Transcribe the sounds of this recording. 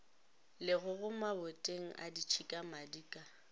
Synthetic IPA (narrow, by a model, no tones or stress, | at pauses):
lɪɣʊɣʊmabʊtʼeŋ̩ʔa̰dit͡ʃʰikʼamadiːkʼa